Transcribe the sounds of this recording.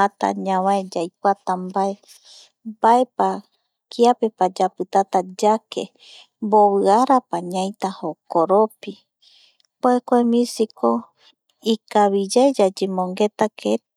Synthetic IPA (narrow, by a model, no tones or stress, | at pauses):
at̪a̰ɲãwãed͡ʒajkʷat̪ambae | bae̞pa | kʰiape̞pad͡ʒapɨt̪at̪ad͡ʒakʰḛ | mboβɨaɾapaɲãj̃t̪ahokoɾopi | poekʷemĩsikʰo | ikaβid͡ʒaed͡ʒad͡ʒemõŋɡet̪akʰe